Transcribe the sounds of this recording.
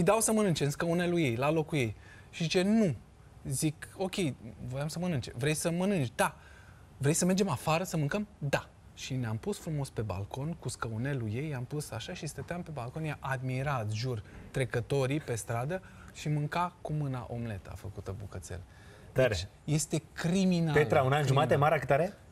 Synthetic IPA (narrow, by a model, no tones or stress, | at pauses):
ɨjd̪awsəmənɨnt͡ʃenskəune̞luje̞jlalo̞kuje̞j | ʃizit͡ʃe̞nu | ziko̞kʲe̞jvo̞jamsəmənɨnt͡ʃḛvɾe̞jsəmənɨnt͡ʃʲd̪a | vɾejsəme̞rd͡ʒemafaɾəsəmɨŋkəmd̪a | ʃineampusfɾumo̞spe̞ba̰lko̞nkuskəune̞luje̞jampusaʃaʃist̪ət̪eampe̞balko̞njaʔad̪miɾat̪ʒurt̪ɾe̞kət̪o̞ɾipe̞st̪ɾad̪ə | ʃimɨŋkakumɨna̰ʔo̞mle̞t̪a̰fəkut̪əbukət̪sḛl | d̪et͡ʃ | je̞st̪e̞kɾiminapelt̪ɾaunanʒumat̪emaɾakɨt̪aɾe